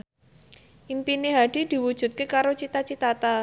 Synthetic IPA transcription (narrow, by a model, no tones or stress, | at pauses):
ʔimpineɦaɖ̥i̤d̪̥i̤wud̥ʒ̥ṳt̪̚kekaɾot͡ʃit̪at͡ʃit̪at̪a